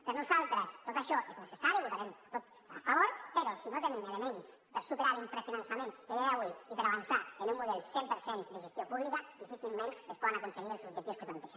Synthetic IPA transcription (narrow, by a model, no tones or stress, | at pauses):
peɾnusalt̪ɾast̪ot̪aʃɔʔeznesesaɾjoβot̪aɾemat̪ot̪ | a̰faβoɾpeɾosinot̪enẽmelemẽnspeɾsupeɾaɾumpɾefinansamẽnd̪eðiaaβwiipeɾaβ̞ansaenumːuðelsjempeɾsend̪eʒest̪jopuβlikad̪ifiθilmẽnespoðanakonseɣiɾelsud͡ʒet̪ioskut̪ant̪esa